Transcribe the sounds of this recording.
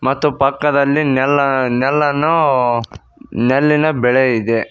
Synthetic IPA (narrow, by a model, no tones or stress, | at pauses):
mɐt̪ːupɐkːɐd̪ɐlːinɛlːɐnɛlːɐnu | nɛlːinɐbɛɭeid̪e